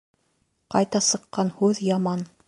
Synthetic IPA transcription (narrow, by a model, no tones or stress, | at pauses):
qɑjt̪ɑsɤ̆qːɑnhʉðjɑmɑn